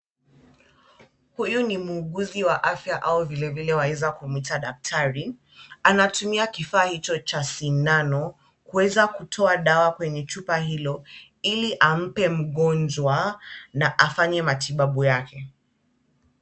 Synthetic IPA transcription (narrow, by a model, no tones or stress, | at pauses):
hujunimuːɠuziwaʔafjaʔauvilɛvilɛwaɛzakumitaɗak̚tʰaɾi | anatumiakifaːhit͡ʃɔt͡ʃasinanɔ | kuwɛzakutʰɔaɗawakwɛɲɛt͡ʃupaɦilɔ | iliʔam̩pɛm̩ɠɔnd͡ʒwanaʔafaɲɛmatʰiɓaɓujakʰɛ